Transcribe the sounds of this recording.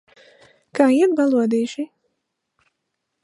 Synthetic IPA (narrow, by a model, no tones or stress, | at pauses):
kaːiɛt̪balˠuɔd̪iːʃi